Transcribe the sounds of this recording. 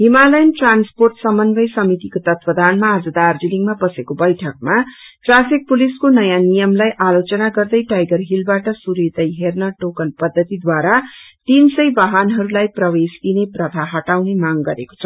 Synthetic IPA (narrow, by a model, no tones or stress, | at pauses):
ɦimalʌjnʈransporʈsʌmʌnbʌjsʌmit̪ikot̪ʌt̪pʌd̪ʱanmaːd͡zʌd̪ard͡ziliŋmabʌsekobʌjʈʰʌk̚maʈrapik̚puliskonʌjanijʌmlajʔalot͡sʌnaɡʌrd̪ʌjʈajɡʌrɦilbaʈʌsuɾit̪ʌjɦernʌʈokʌnpʌd̪ʱːʌt̪id̪waɾat̪insʌjbʌɦanɦʌɾulajprʌwesd̪ineprʌt̪ʰaɦʌʈawnemaŋɡʌɾḛko̥t͡sʰʌ